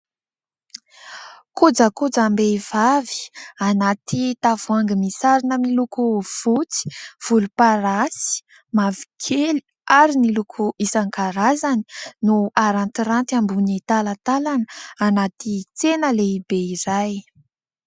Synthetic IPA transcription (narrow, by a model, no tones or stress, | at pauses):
kud͡zəkud͡zambev̥avi̥anat̪it̪av̥uaŋɡimisaɾinəmilukuv̥ut͡si̥v̥ulupaɾasi̥ | mavi̥kʰeli | aɾinilukʰuʔisaŋkaɾazani̥nuaɾant̪iɾant̪ambunit̪alat̪alanəanat̪it͡senəleibeiɾaj